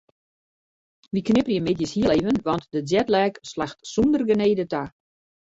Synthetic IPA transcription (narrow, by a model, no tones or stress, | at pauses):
ʋiknɪpərjəmɪtjəshiəlevənʋɔntdəzɛtlɛːkslaxtsundərɡəneːdəta